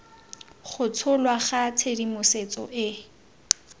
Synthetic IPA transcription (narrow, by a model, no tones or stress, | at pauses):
χʊt͡sʰʊlwaχat͡sʰedimʊset͡sɔ̰ʔɪ